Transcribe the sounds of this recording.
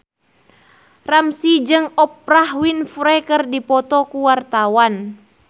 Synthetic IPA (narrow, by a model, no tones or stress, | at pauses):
ramsid͡ʒɨŋɔprahwinfɾɛkərdipɔt̪ɔkuwart̪awan